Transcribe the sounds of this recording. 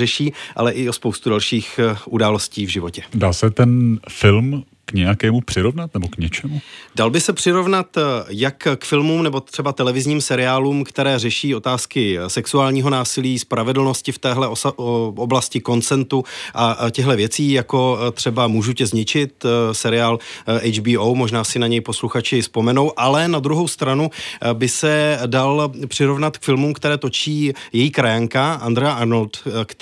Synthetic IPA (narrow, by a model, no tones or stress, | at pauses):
rɛʃiːʔa̰lɛʔɪo̞spo̞wst̪udalʃiːxʔudaːlo̞sciːvʒɪvo̞cɛdaːsɛt̪ɛnfɪlm | kɲɛjakɛːmupr̥ɪɾovnat̪nɛbokɲɛt͡ʃɛmudalbɪsɛpr̝̥ɪɾo̞vnat̪jakkfɪlmumnɛbo̞t̪r̝̥ɛbat̪ɛlɛvɪzɲiːmsɛɾɪaːluːmkt̪ɛɾɛːrɛʃiːo̞t̪aːskɪsɛksuaːlɲiːɦo̞naːsɪliːspɾavɛdl̩no̞scɪft̪ɛːɦlɛooblascɪko̞nt͡sɛnt̪uʔacɛɦlɛvjɛt͡siːjako̞t̪r̝̥ɛbamuːʒucɛzɲɪt͡ʃɪt̪sɛɾɪaːlʔɛjd͡ʒbiːowmo̞ʒnaːsɪnaɲɛjpo̞sluxat͡ʃɪspo̞mɛno̞wʔalɛnad̪ɾuɦo̞wst̪ɾanubɪsɛdalpr̝̥ɪɾo̞vnat̪kfɪlmumkt̪ɛɾɛːt̪o̞t͡ʃiːjɛjiːkɾajaŋkaʔand̪ɾɛjaʔaɾnolt̪k